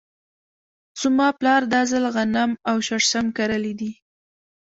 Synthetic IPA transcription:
sʊmɑplɑɾd̪azəlɣanamawʃaʂsamkaɾəlid̪i

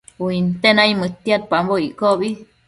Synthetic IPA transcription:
uint̪enajmət̪ːjat̪̚pamboikobi

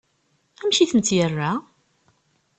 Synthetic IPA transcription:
æmʃiθənt̪jərːa

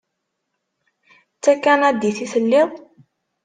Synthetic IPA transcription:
t͡sːækːænæd̪iθiθəlːɪðˤ

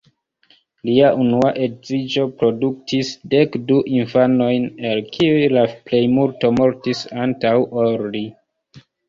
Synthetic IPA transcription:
liaʔunuaʔe̞dzid͡ʒo̞pɾo̞duk̚tisde̞kduʔinfano̞jnelkʰiujlaple̞jmulto̞mo̞ɾtisantawʔoɾli

